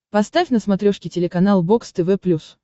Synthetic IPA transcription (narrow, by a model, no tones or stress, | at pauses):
pɐst̪afʲnəsmɐt̪ɾʲoʂkʲɪtʲɪlʲɪkɐnalˠbokst̪ɛvɛplʲus